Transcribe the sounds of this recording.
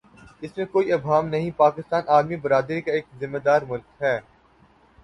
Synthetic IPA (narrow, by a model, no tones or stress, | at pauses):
ɪsmẽkoːiɐbɦaːmnɐɦĩpaːkɪst̪aːnʔaːɾmibɐɾaːd̪ɾikaeːk̚zɪmːed̪aːɾmʊlkɦɛː